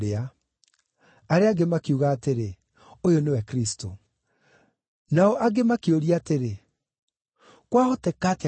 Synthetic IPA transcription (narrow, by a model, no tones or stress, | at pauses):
ɾea | aɾeaɡemakiuɣaːteɾe | ojonewɛkɾisto̰ | naɔʔaɡemakeoɾiaːteɾe | kwahotɛkate